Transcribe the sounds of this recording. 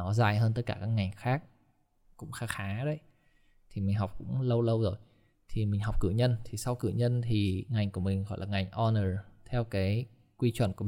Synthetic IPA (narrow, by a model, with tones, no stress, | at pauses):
nɔ˨˦zaː˨˩jɦəː˧nt̪ə˦˥t̚kaː˧˩kaː˦˥k̚ŋa˨˩jŋ̟xaː˦˥k̚ | kʊ̰˧˥ŋ͡mxaː˧˦xaː˨˦ɗə˧˦j | t̪ʰi˨˩mï˨˩ŋ̟ɦwk͡p̚kʊ̰˧˥ŋ͡mlə˧wlə˧wzo˨˩j | t̪ʰi˨˩mï̟˨˩ɦa˨˩wk͡p̚kɨ̰˧˩ɲə˧nt̪ʰi˨˩sa˧wkɨ̰˧˩ɲə˧nt̪ʰi˨˩ŋa˨˩jŋ̟ku˧˩əmï˨˩ŋ̟ɣɔ̰˧˩jlaː˨˩ŋa˨˩jŋ̟ʔɔ˧nəː˨˩t̪ʰɛ˧wkaː˨˦j | kwi˧t͡ɕwə̰˧˨nku˧˩